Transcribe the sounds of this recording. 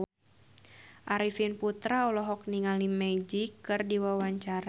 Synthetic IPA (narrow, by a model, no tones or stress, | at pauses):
ʔaɾifinput̪ɾaɔlɔɦɔk̚niŋalimɛd͡ʒikːɨrdiwawaɲt͡ʃaɾa